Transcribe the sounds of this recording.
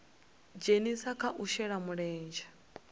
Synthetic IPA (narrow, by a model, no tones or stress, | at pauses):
d͡ʒenisakʰaʔuʃɛɺamuɺɛːnd͡ʒa